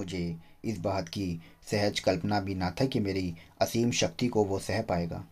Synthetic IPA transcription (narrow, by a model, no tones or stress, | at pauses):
ʊd͡ʒʱe | ɪsbaːɦt̪ki | sɛɦəd͡ʒkɐlpnabʱinat̪ʰɐkimeːɾiɐsiːmʃɐk̚t̪ikoʋosɛɦəpaːeːɡa̰ː